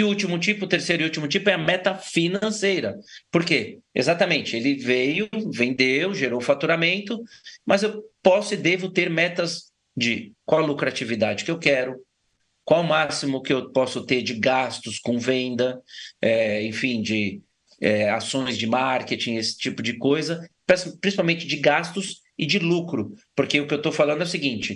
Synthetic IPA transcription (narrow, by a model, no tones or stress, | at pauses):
ɪut͡ʃimʊt͡ʃipʊt̪eɾsejɾʊɪiut͡ʃimʊt͡ʃipʊɛɐmɛt̪ɐfinɐ̃sejɾɐpoɾkeḛzat̪ɐmẽnt͡ʃɪelɪvejʊʊvẽnd̪ewʒeɾowfat̪uɾamẽnt̪ʊmɐzewpɔsʊɪd̪evʊt̪eɾmɛt̪ɐz | d͡ʒɪkwawlukɾat͡ʃivid̪ad͡ʒɪkɪewkɛɾʊ | kwawʊmasimʊkɪewpɔsʊt̪eɾd͡ʒɪɡast̪ʊskõvẽnd̪ɐɛẽfĩd͡ʒɪ | ɛasõj̃zd͡ʒɪmaɾket͡ʃĩesɪ̥t͡ʃipʊd͡ʒɪkojzɐpaspːɾĩsipawmẽt͡ʃɪd͡ʒɪɡast̪ʊs | ɪd͡ʒɪlukɾʊpoɾkeʊkɪewt̪ofalɐ̃d̪ʊɛʊsɪɡĩnt͡ʃɪ